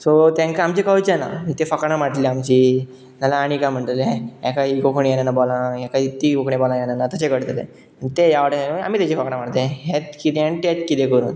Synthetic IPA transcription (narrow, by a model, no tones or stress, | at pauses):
sot̪ẽŋkaamt͡ɕekəut͡ɕena̰it̪efəkɳamaʈliamt͡ɕiː | nalaːɽ̃ikam̤əɳʈ̪leɛ̃ɛ̃kaɦikokʰɳijenanabolãjɛ̃kait̪iːkokɳebolãjenanat̪ət͡ɕekəɽt̪elḛ̃ | it̪ejaʋəʈẽa̰mit̪at͡ɕifəkɳ̃am̤aɽt̪ẽɦet̪kit̪eanit̪et̪kit̪ekəɾṵːn